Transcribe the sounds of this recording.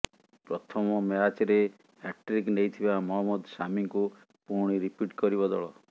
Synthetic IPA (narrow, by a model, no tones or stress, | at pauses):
pɾɔt̪ʰɔmɔmeat͡ʃeɾe | ɛk̚ʈɾiknejt̪ʰibamɔɦɔmːɔd̪samiŋku | puɾɽ̃iɾipiʈkɔɾibɔd̪ɔ̰ɭɔ